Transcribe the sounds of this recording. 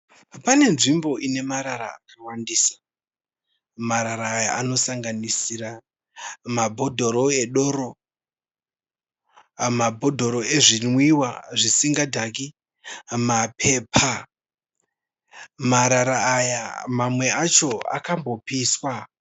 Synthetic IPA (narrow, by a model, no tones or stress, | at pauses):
pane̞nʐimbo̞ʔine̞maɾaɾa̰akawandiːsḁ | maɾaɾaːjaʔano̞saŋɡanisiɾa | mabʱo̞dʱo̞ɾo̞e̞ɗoɾo | mabʱo̞dʱo̞ɾo̞e̞ʐinwiwaʐisiŋɡadʱaki | mapʰe̞pʰa | maɾaɾaːjamamwe̞at͡ʃo̞a̰kambo̞piswa